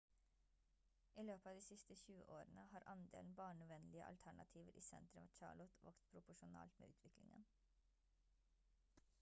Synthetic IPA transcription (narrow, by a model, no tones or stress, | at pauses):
ʔiːløːpəɑːd̪iːsɪst̪əçʉːəʔoːɾənəhɑːɾʔɑnd̪ḛːln̩bɑːɳəʋɛnlɪəʔɑ̰lt̪ʰæɳɑ̰t̪ʰiːʋəɾʔḭːsɛ̰nt̪ɾʉmɑːt͡ʃɑ̰ːɭɔt̪ʰʋɑ̰kt̪pʰɾʊpʊʃʊnɑ̰ːlt̪mḛːʉ̰ːt̪ʰʋɪklɪŋə̰n